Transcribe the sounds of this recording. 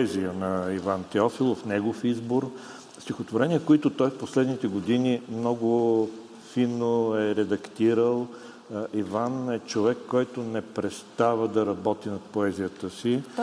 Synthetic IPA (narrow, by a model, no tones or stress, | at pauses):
ɛziənɐivant̪ɛɔfilˠofnɛɡofizboɾ | st̪ʲixot̪voɾɛniəkoit̪ʊt̪ɔjfposlɛd̪nit̪ɛɡod̪inimnɔɡʊ | finːoɛɾɛd̪ɐkt̪iɾəlˠ | ivanɛt͡ʃovɛkːɔjt̪onɛpɾɛt̪st̪avəd̪ɐɾɐbɔt̪inɐt̪̚poɛzijət̪əsi